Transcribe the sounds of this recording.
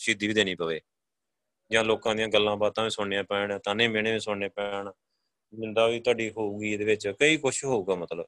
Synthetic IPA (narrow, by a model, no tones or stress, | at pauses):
ʃiːd̪iːʋiːd̪eːnĩːpəʋeː | d͡ʒãːloːkãːd̪ɪjãːɡəlːãːbaːt̪ãːʋĩːsʊeãːpɛːɳːt̪ãːnẽːmeːñeːʋĩːsʊeːpɛɳː | mɪnd̪aːʋiːt̪ʊwaːɖiːɦoːuːɡiːd̪eːʋɪt͡ʃkəiːkʊʃɦoːuːɡaːmət̪ləb